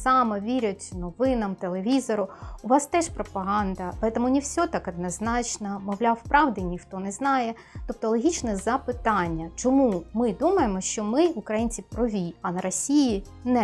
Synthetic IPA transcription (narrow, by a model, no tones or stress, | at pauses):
sɑmɐʋʲiɾʲʊtʲnɔʋɪnɐmt̪elˠeʋʲizɔɾʊʊʋɑst̪ɛʃpɾɔpɐɦɑnd̪ɐpɐɾɛt̪ɔmʊnʲiwsʲɔt̪ɑkɐd̪nɐznɑt͡ʃnɐmɔʋlʲawpɾɑʋd̪ɪnʲixt̪ɔnɛznɑjɛ | t̪ɔp̚t̪ɔlˠɔɦʲit͡ʃnɛzɐpɪt̪ɑnʲːɐt͡ʃɔmumɪd̪umɐjemɔʃt͡ʃɔmɪukɾɐjinʲt͡sʲipɾɔʋʲiɐnɐɾɔsʲiji | nɛ